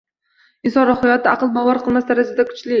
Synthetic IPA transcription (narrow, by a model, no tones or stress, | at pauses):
ɪnsɒnɾʊχʊjɒt̪ʰːɪʔɑqɨlˠbawɒɾqʰɨlˠmasd̪aɾad͡ʒad̪akʰʊ̥t͡ʃlɪ